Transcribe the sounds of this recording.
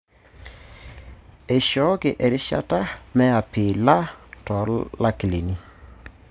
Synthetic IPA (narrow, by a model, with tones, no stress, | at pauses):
e˨ʃɔ˨˦ke˨ʔɛ˨ɾɪ˦ʃa̰˦ta˦mɛ˦a˨pɪ˨la˦tɔ˨˦la˦kɪ˨le˨ni˦